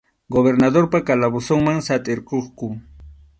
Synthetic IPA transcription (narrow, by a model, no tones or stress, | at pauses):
ɡoβeɾnad̪oɾpakalabʊsoŋmaŋsat̪ʼɪɾqoχkʊ